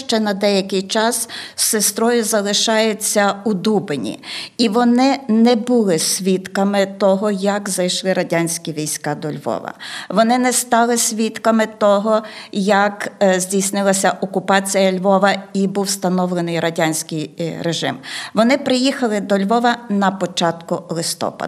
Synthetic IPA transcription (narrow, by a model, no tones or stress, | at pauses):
ʃt͡ʃɛnɐd̪ɛjɐkɪjt͡ʃɑssest̪ɾɔjʊzɐlˠɪʃɑjʊt͡sʲːɐud̪ubenʲḭiʋɔnɪnɛbulˠɪsʲʋʲit̪kɐmɪt̪ɔɦɔjɐkzɐjʃlˠɪɾɐdʲanʲsʲkʲiʋʲijsʲkɑd̪ɔlʲʋɔ̰ʋɐ̰ʋɔnɪnɛst̪ɑlˠɪsʲʋʲit̪kɐmɪt̪ɔɦɔjɐkzʲdʲijsʲnɪlˠɐsʲɐʔɔkʊpɑt͡sʲijɐlʲʋɔʋɐibuwst̪ɐnɔwlˠenɪjɾɐdʲanʲsʲkʲɪjɾeʒɪ̰mʋɔnɪpɾɪjixɐlˠɪd̪ɔlʲʋɔʋɐnɐpɔt͡ʃɑt̪kʊlˠɪst̪ɔ̰pɐ̰